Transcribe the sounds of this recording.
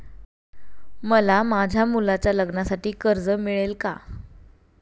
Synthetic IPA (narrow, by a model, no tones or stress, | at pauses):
məlamad͡ʑʱamulat͡ɕjaləɡnasaʈiːkəɾd͡zəmiɭelka